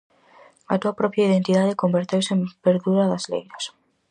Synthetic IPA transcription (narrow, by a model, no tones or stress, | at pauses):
ɐ̰t̪uɐpɾɔpjaiðent̪iðaðɪkombeɾt̪ewsɪempeɾðuɾɐðɐzlḛjɾɐs